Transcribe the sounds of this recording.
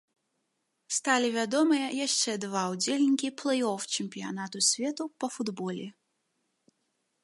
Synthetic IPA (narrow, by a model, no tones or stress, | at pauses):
st̪alʲivʲad̪ɔmɨjɐjaʂt͡ʂɛd̪vawd͡zʲɛlʲnʲkʲiplˠɛjɔft͡ʃɛmʲpʲija̰nat̪ʊsʲvʲɛt̪upɐfud̪bɔlʲɛ